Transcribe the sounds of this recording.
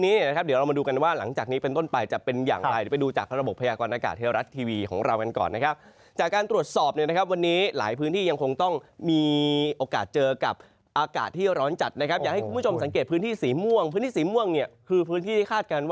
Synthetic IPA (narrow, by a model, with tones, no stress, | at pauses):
niː˦˥ni˥˩əna˦kʰa˦˥p̚di˩˦ɾa˧wma˧duː˧ka˧nwaː˥˩la˩˦ŋt͡ɕaː˨˩k̚niː˦˥pe˧nt̪o˥˩npa˧jt͡ɕa˨˩pe˧nja̰ː˨˩ŋa˧jpa˧jduː˧t͡ɕa̰ː˨˩k̚ɾa˧bo˨˩pʰːa˧jaː˧kɔː˧nʔaː˧ka̰ː˨˩t̪̚ʰːe˧ɾa˦˥t̪ʰːiː˧wiː˧kʰɔ̰ː˩˦ŋɾa˧wka˧nkɔ̰ː˨˩nːa˦˥kʰa˦˥p̚ | t͡ɕaː˨˩kːaː˧nt̪ɾu˨˩ət̪̚sɔː˨˩p̚ni˥˩əna˦˥kʰp̚wa˧nːiː˦˥la̰ː˩˦jpʰɯː˦˥nt̪ʰiː˥˩ja˧ŋkʰo˧ŋt̪ɔ˥˩ŋmiː˧ʔoː˧ka̰ː˨˩t̪̚t͡ɕɤː˧ka˨˩p̚ | ʔaː˧ka̰ː˨˩t̪ʰːiː˥˩ɾɔː˦˥nt͡ɕa˨˩t̪̚na˦˥kʰa˦˥p̚jaː˨˩ha˥˩ku˧mbu˥˩o˧msa˩˦ŋk̬eː˨˩t̪̚pʰɯː˦˥nt̪ʰiː˥˩siː˩˦mu˥˩əŋpʰɯː˦˥nt̪iː˥˩siː˩˦mu˥˩əŋni˥˩ɐkʰɯː˧pʰɯː˦˥nt̪ʰiː˥˩˥kʰaː˥˩t̪̚ka˧nwa˥